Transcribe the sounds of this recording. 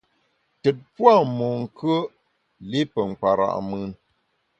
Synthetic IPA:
tɛ˨t̚pwa˦˨mɔ˨ŋ̩˨kʰə˦ | li˦pə˨ŋ̩˨k͡pa˨ɾa̰˨ʔmɨ˦n

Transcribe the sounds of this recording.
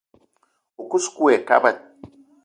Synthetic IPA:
u˨ku˦sku˦ɛ˨ka̰˦ba˨t̚

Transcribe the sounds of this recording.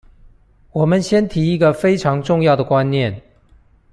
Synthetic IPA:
wɔ˨˩mə˨˦nɕjɛ˥nt̪ʰi˧˥i˧˥ɡə˧˨fe˥ɪʈ͡ʂʰɑ˧˥ŋʈ͡ʂʊ˥˧ŋjɑ˥˩ʊd̪ə˩kwa˦nnjɛ˥˨n

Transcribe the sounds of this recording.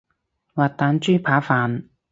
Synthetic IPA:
waː˨t̚t̪ːaː˨˧nt͡ʃyː˥pʰaː˨˥faː˨n

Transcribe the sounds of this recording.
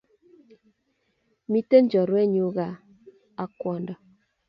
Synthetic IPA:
mi˦te˦n˦d͡ʒɔ˨ɾwɛ˦ɲu˨˦ɣa˨ | a˦kwɔ˨ndɔ˨

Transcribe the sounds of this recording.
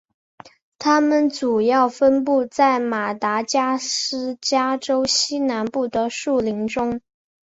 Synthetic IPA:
t̪ʰa˥mə˨nt͡su˨˩jɑ˥˩ʊfə˥npu˥˧t͡sa˥˩ɪma˨˩t̪a˧˥t͡ɕja˥ʂɻ̩˥t͡ɕja˥ʈ͡ʂo˥ʊɕi˥na˧˥npu˥˩d̪ə˩ʂu˥˩li˧˥ŋʈ͡ʂʊ˥ŋ

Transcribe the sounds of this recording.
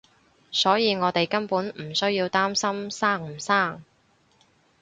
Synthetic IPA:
sɔː˨˥jiː˨˧ŋɔː˨˧t̪e˨jkɐ˥npuː˨˥nm̩˨˩sɵ˥ɥjiː˧wt̪aː˥msɐ˥msaː˥˩ŋ̩˨˩saː˥˩ŋ

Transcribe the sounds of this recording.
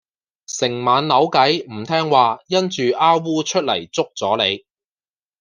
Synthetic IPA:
sɪ˨˩ŋmaː˨˧nlɐ˨˥wkɐ˨˥jm̩˨˩t̪ʰɛː˥ŋwaː˨jɐ˥nt͡ʃyː˨ʔaː˥wwuː˥t͡ʃʰɵ˥t̚lɐ̰˨˩jt͡sʊ˥k̚t͡sɔː˨˥le˨˧j

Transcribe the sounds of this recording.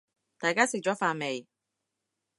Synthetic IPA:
t̪aː˨jkaː˥sɪ˨k̚t͡ʃɔː˨˥faː˧me˨j

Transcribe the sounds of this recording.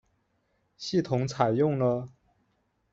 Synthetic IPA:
ɕi˥˩t̪ʰʊ˧˥ŋt͡sʰa˨˩ɪjʊ˥˩ŋlə˩

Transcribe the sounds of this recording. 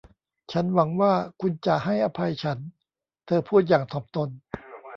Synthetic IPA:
t͡ɕʰa˦˥nwa˩˦ŋwaː˥˩kʰu˧nt͡ɕa˨˩ha˥˩jʔa˧pʰa˧jt͡ɕʰa˦˥n | t̪ʰɤː˧pʰuː˥˩t̪̚jaː˨˩ŋt̪ʰɔː˨˩p̚t̪o˧n

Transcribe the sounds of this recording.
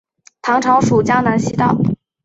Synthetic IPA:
t̪ʰɑ˧˥ŋʈ͡ʂʰɑ˧˥ʊʂu˨˩t͡ɕja˥ŋna˧˥nɕi˥t̪ɑ̰˥˩ʊ

